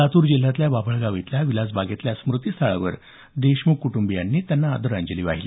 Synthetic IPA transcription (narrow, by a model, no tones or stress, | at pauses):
at̪uːɾd͡ʑil̤ːat̪ljababʱəɭɡaʋit̪ljaʋilad͡zbaɡet̪ljasmɾut̪iːst̪ʰaɭa̰ʋə̰ɾ | d̪eɕmukːuʈumbijanːiːt̪janːaːd̪əɾaɲd͡ʑəliːʋa̰ɦiliː